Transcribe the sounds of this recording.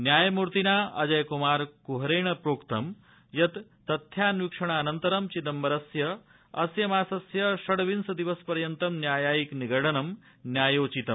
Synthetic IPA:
njaːjɐmuɾt̪inaːʔɐd͡ʒɐjkumaːɾkuɦɐɾeːɳɐpɾoːkt̪ɐm | jɐt̪ː | ɐt̪ʰjaːnʋikʂɐɳ̃aːnɐnt̪ɐɾɐmt͡ʃid̪ɐmʋɐɾɐsjɐ | ɐsjɐmaːsɐsjɐʃɐɽʋinsɐd̪iʋɐspɐɾjɐnt̪ɐmnjaːjaːjikniɡɐɽɐnɐm | njaːjoːt͡ʃit̪ɐm

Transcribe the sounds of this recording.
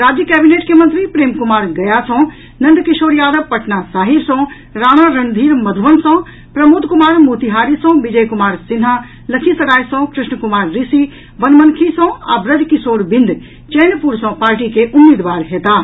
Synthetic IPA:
ɾaːd͡ʒjəkɛːbineːʈkemə̃nt̪ɾipɾeːmkumaːɾɡɐjasɔ̃ | nɐ̃nd̪kisoːɾjaːd̪əbpɐʈnasaːɦiɾsɔ̃ | ɾaːɽ̃aɾɐnd̪ʱiːɾmɐd̪ʱʋənsɔ̃ | pɾɐmoːd̪ʱkumaːɾmuːt̪iɦaːɾisɔ̃bid͡ʒəjkumaːɾsɪnɦa | lɐkʰisɐɾaːjsɔ̃kɾɪʃɳəkumaːɾːisi | bənmənkʰisɔ̃a̰bɾəd̪kisoːɾbind̪ | t͡ʃɛːnpuɾsɔ̃paːɾʈikeʔumːiːd̪ʋaːɾɦeːt̪aː

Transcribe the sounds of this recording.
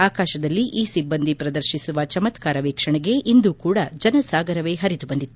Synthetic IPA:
aːkaːʃɐd̪ɐlːiʔiːsibːɐnd̪ʱipɾɐd̪ɐɾʃisuʋɐt͡ʃɐmɐt̪kaːɾɐʋeːkʂɐɳɛɡe̞ʔind̪ukuːɽɐd͡ʒɐnɐsaːɡɐɾɐʋe̞ːɦɐɾit̪ubɐnd̪it̪ːu

